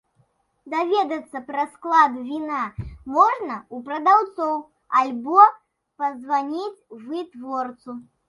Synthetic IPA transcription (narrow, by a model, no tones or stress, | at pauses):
d̪avʲɛd̪ɐt̪sːɐpɾɐsklˠad̪vʲinamɔʐnɐupɾɐd̪awt̪sɔw | alʲbɔ | pɐzvanʲit͡sʲvɨt̪vɔrt̪su